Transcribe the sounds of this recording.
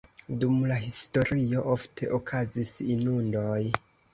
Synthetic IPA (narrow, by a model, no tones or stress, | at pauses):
dumlaɦisto̞ɾio̞ʔo̞ftʰe̞ʔokʰazisinundo̞j